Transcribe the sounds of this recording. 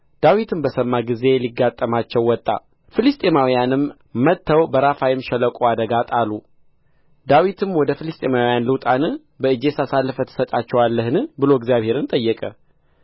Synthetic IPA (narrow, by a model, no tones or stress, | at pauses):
d̪̥awit̪ʰɨmbəsəmːaɡize̞liɡːat̪ʼːəmat͡ʃːɛwːɔt̪ʼːa̰ | fɨlɨst̪ʼemawijanɨmː | ət̪ʰːəwbəɾafajɪmʃɛləkʼoad̪əɡat̪ʼalu | d̪awit̪ʰɨmwɔd̪əfilɨst̪ʼemawjanlɨwt̪ʼanɨ | bəɨd͡ʒe̞sasalːɨfət̪ʰːɨ̥sət̪ʼat͡ʃːɛwalːəhɨnɨbɨlo̞ɪɡzijaβhe̞ɾɨnt̪ʼəjːɛkʼə̰